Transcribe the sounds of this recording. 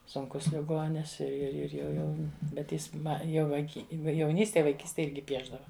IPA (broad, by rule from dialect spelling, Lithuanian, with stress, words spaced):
sʊŋˈkʊs lʲɪˈɡoːnʲɪs ɪr ɪr ˈɪr jɛʊ ˈjɛʊ bʲɛt ˈjɪs ˈmɐ jɛʊ ʋɐɪˈkʲiː jɛʊˈnʲiːsʲtʲeːj ʋɐɪˈkʲiːsʲtʲeːj ˈɪrʲɡʲɪ ˈpʲiɛʒdɐʋɐ